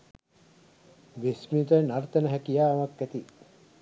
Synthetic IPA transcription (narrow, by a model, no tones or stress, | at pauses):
ʋesmit̪ənaɾt̪ənəɦækijaːɐʋakːæt̪i